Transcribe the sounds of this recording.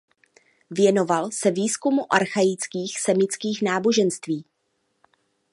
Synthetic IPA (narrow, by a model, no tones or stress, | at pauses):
vjɛno̞valsɛviːskumuʔaɾxajɪt͡skiːxsɛmɪt͡skiːxnaːbo̞ʒɛnst̪viː